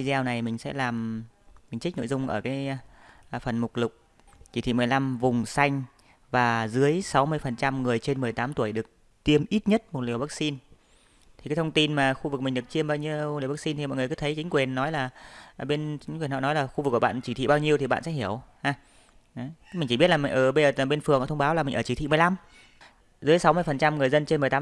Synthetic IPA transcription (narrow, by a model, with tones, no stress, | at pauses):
i˧zɛ˧wna˨˩jmï˨˩ŋ̟sɛ̰˧˥laː˨˩mmi˨˩ŋ̟t͡ɕï˦˥k̚no̰˧˨jzʊ˧ŋ͡mʔəː˧˩kaː˨˦j | fə˨˩nmʊ˨˩k͡p̚lʊ˨˩k͡p̚ | t͡ɕi˧˩t̪ʰḭ˧˨mɨ˨˩əjla˧mvʊ˨˩ŋ͡msa˧jŋ̟ | vaː˨˩zɨ˨˦əjsa˨˦wmɨ˧əjfə˨˩nt͡ɕa˧mŋɨ˨˩əjt͡ɕe˧nmɨ˨˩əjt̪aː˨˦mt̪u˧˩əjɗɨ˨˩ək̚ | t̪i˧əmʔi˦˥t̚ɲə˦˥t̚mo˨˩t̚li˨˩əwvaː˦˥k̚si˧n | t̪ʰi˨˩a˨˦jt̪ʰə˧ŋ͡mt̪i˧nmaː˨˩xu˧vɨ˨˩k̚mi˨˩ŋ̟ɗɨ˨˩ək̚t͡ɕi˧əmɓaː˧wɲi˧əwli˨˩əwvaː˦˥si˧nt̪ʰi˨˩mɔ̰˨jŋ˨˩əkɨ˨˦t̪ʰə˨˦jt͡ɕi˨˦ŋ̟kwi˨˩ənːɔ˨˦jlaː˨˩˧ɓe˧nt͡ɕi˨˦ŋkwnhɔ̰˧˨nɔ˨˦jlaː˨˩xu˧ɨ˨˩kːɓ̰a̰ː˧˨nt͡ɕi˧˩t̪ʰḭ˧˨ɓaː˧wɲi˧əwt̪i˨˩ɓa̰ː˧˨nsɛ̰˧˥ɦi˧˩əwhaː˧˩˨ | mï˨˩ŋt͡ɕi˧˩ɓt̚laː˨˩m˨˩ŋ̟ʔəː˧˩ɓzəː˨˩˨ɓe˧nfɨ˨˩ə˩ŋʔt̪ʰŋ͡mɓaː˨˦wlaː˨˩mï˨˩ŋ̟ʔəː˧˩t͡ɕi˧˩t̪ʰḭ˧˨m˨˩jla˧m | zɨ˨˦əjsa˨˦wmɨ˧əjfə˨˩nt͡ɕa˧mŋɨ˨˩əjzə˧nt͡ɕe˧nm˨˩jt̪ː